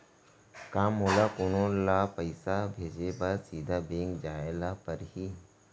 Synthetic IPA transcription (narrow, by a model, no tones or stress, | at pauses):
kamɦolakoñõlapəɪsabʱeːd͡ʑebaɾsiːd̪ʱabẽŋkd͡ʒaelapəɾɦiː